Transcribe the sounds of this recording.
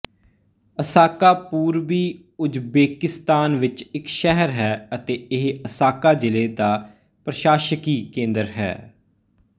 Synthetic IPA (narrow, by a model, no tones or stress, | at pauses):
əsaːkaːpuːɾbiː | ʊd͡ʒbeːkɪst̪aːnʋɪt͡ʃɪkʃɛɦəɾɦɛːət̪eːɪɦəsaːkaːd͡ʒɪleːd̪aː | pɾəʃaːʃəkiːkẽːnd̪əɾɦɛ̰ː